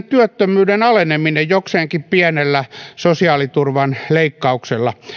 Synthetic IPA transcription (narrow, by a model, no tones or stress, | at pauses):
t̪yøt̪ːømyːdenɑleneminejjokseːŋkippiɛnelːæsosiɑːlit̪urʋɑnleikːɑukselːɑ